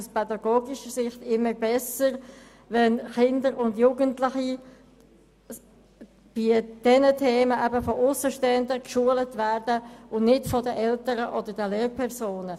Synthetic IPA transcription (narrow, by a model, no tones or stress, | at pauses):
uspɛdɑɡoːɡiʃəsɪχtɪmːəɾbɛsəɾ | vɛnχɪndəɾʊndjuːɡəntlɪχi | b̥id̥ɛnətʰeːməʔæbəfɔʔʊsəʃtɛndəkʃuːələtvæɾdəʊnnɪtfɔdəʔɛltəɾəʔɔdəɾdəleːrpʰɛʁsoːnə